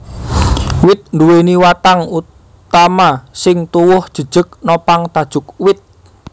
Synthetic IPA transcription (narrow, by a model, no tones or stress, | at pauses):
wɪt̪̚nduweniwat̪aŋu | t̪amasɪŋt̪uwʊhd̥ʒ̥əd̥ʒ̥ə̤k̚nopaŋt̪ad̥ʒ̥ʊ̤k̚wɪt̪̚